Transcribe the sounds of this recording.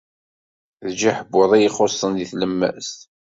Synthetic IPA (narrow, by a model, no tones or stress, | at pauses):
ðd͡ʒaħəbːoðˤijiχosˤːənðiθləmːæ̰st̪